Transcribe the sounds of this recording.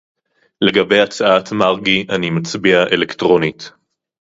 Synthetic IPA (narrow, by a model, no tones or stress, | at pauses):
le̞ɡabe̞jat͡saatmaʁɡiʔanimat͡sbiaʔelektʁo̞nit